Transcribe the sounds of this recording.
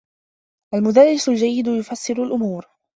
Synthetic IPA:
ʔalmʊd̪alːɪsʊld͡ʒajːɪd̪ʊjʊfasːɪɾʊlʔʊmuːɾ

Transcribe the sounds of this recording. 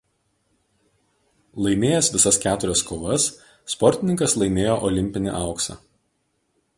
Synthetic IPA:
lˠɐɪmʲeːjɛsʋʲɪsɐskʲæːt̪ʊɾʲɛskoːʋɐsː | pɔɾʲt̪ʲɪnʲɪŋkɐslˠɐɪmʲeːjoːʔɔlʲɪmʲpʲɪnʲɪ̰ʔɑˑʊksɐ̰ː

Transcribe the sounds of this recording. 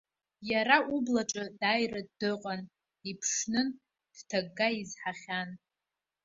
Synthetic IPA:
jaɾaʔublaʈ͡ʂʼɨdajradːɨqʼan | ipʰʂnɨn | d̥tʰaɡːaizħaχʲan

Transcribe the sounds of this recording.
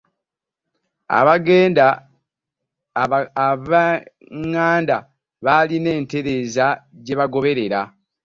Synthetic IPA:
a̰βaɡeːnda | βa | ŋːaːnda | βaline̞ːnte̞ɾe̞ːzaɟe̞βaɡo̞βe̞ɾe̞ɾa

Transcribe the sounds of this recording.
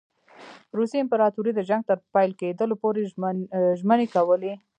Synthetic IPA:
ɾusiɪmpɪɾɑt̪uɾid̪əʒaŋɡ̚t̪əɾpajlked̪əlopoɾe | ʒmənekawəle

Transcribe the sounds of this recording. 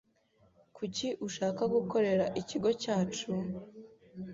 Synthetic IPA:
kʰuciʔuʃaːkaɡuko̞ɾe̞ɾaʔiciɡo̞caːt͡ʃu

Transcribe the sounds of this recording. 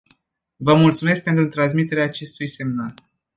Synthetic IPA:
vəmult̪sume̞sk̚pent̪ɾut̪ɾans̬mit̪e̞ɾeaːt͡ʃe̞st̪ujse̞mnal

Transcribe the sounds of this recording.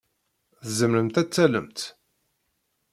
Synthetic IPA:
θəzəmɾəmt̪æt͡sːæləmt̪

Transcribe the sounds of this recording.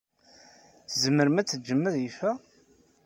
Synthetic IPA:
θzəməɾmæt͡sːəd͡ʒːəmːəðjifæ

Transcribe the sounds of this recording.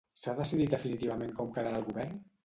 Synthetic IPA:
saðəsiðit̪̚d̪əfinit̪iβamẽŋkɔmkaɾaəlˠɣuβɛɾn

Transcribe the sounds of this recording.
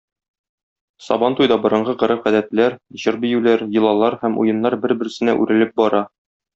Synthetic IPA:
sɒ̰bɑnt̪ujd̪ɑbŏɾɤ̆ɴɢɤqɤ̆ɾɤχæd̪æt̪læɾʑɤɾbĭjʉlæɾjɤ̆lˠɑlˠɑɾhæmṵjɤ̆nːɑɾbɘɾbɘ̆ɾ̆sɘ̆næʔʉɾɘ̆lɘp̚bɒɾɑ

